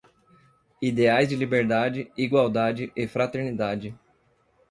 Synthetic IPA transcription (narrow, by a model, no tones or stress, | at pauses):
id̪eajzd͡ʒɪlibeɾd̪ad͡ʒɪiɡwawd̪ad͡ʒɪʔɪfɾat̪eɾnid̪ad͡ʒɪ